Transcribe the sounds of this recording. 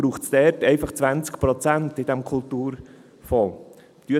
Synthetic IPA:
ɾuːχsd̥̪ɛːɾtɛɪfɑχt͡sʋænt͡skpɾɔt͡sæntɪd̪ɛmkʰʊlt̪uːɾ | fɔl | t̪yə

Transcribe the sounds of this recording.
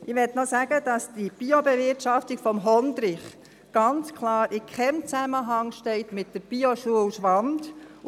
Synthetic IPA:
ʔɪʋɛtnɔsæɡ̥əd̥ɑsd̥ib̥iɔbeʋɪɾtʃɑftiɡ̥fɔmɦɔnd̪ɾɪχ | ɡ̥ɑnt͡skʰlɑːɾʔɪkʰχɛmt͡sæməɦɑŋʃtɛɪtmɪtdəɾb̥iɔʃuəlʃʋɑnd

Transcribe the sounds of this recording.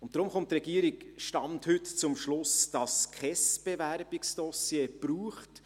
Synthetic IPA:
ʊnt̚d̥ɾʊmχʊntɾɛɡ̥iːəɾiɡʃtɑmthʏtt͡sʊmʃlʊsd̥ɑskχɛsb̥evæɾbɪksd̥ɔsjeːb̥ɾuːχt

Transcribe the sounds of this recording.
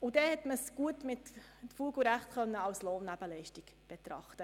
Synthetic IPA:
ʊd̥ɛhɛtməsɡ̥uətmɪtfuːɡəɾæχtkœnːəɑwsloːnːæb̥əlɛɪʃtɪkb̥et̪ɾɑ̰χtə

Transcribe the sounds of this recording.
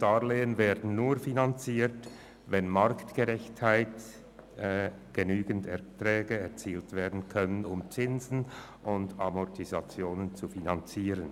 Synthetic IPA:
d̥aːleːənveːɐdn̩nuːfinant͡siːt | vɛnmaɾktɡ̥əʁɛçthaɪtː | ɡ̥ənyːɡən̩tɛɐtʁɛːɡəɛʁt͡siːltv̥eːɐdn̩kʰœnənʊmt͡sɪnzn̩ | ʔʊndamɔtʰizat͡sjoːnənt͡sufinant͡siːɾən

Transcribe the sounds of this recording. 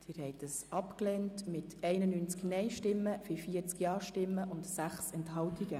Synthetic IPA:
d̥iːɾhɛɪtəsɑpklɛːntmɪtɛɪnənynt͡sknɛɪʃtɪmːəfifiəɾt͡skjɑːʃtɪmːəʔʊntsæχsɛntɦɑltiɡə

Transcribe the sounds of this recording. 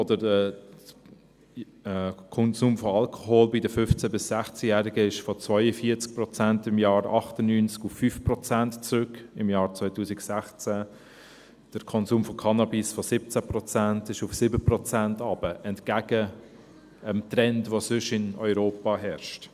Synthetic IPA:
ɔdəɾɛ | kʰɔnzuːmfɔɑlkʰɔ̥ɦoːlbɪdəfʏft͡sæbɪsːæχt͡sjæːɾiɡəɪʃfɔt͡svœʏəfiːəɾt͡sk̚prɔt͡sæntɪmjɑːɾɑχtənyːnt͡skufːyːfprɔt͡sæntt͡sɾʏkɪmjɑːɾt͡svɔɪtuːsɪɡsæχt͡sæ | d̥əɾkʰɔnzuːmfɔkʰɑnɑbisfɔsɪp̚t͡sæprɔt͡sæntɪʃufsɪbəprɔt͡sæntɑb̥əʔɛntkæɡə | əmtrɛntvoːsʏʃɪnɔʏɾoːpɑɦɛɾʃt

